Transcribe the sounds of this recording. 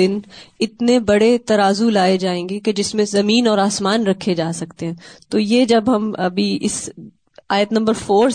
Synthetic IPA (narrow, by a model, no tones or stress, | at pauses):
ɪnɪt̪nebɐɽet̪ɐɾaːzulaːed͡ʒaːẽːŋɡeked͡ʒɪsmẽzɐmiːnɔːɾaːsmaːnɾɐkʰːed͡ʒaːsɐkt̪eɦɛ̃ːt̪oːjed͡ʒɐbɦɐmɐ̰bʱiʔɪs | aːjət̪nɐ̃mbəɾfoːɾ